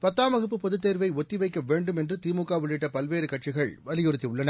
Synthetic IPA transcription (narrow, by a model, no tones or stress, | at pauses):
pɐt̪ːaːmɐɣɯpːɯpɐðɯt̪ːeːɾʋɐɪɔt̪ːɪʋɐɪkːɐʋeːɳɖɯmɛndrɯt̪iːmukːaːʋɪɭːɪʈːɐpɐlʋeːɾɯkɐʈ̚t͡ʃɪɣɐɭʋɐlɪjɔɾɯt̪ːiʊɭːɐnɐ